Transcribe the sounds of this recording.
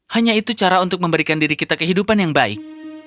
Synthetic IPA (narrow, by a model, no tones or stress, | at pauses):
haɲait̪ut͡ʃaɾaunt̪ʊk̚məmbəɾikandiɾikit̪akəɦidupanjaŋbaɪ̰k̚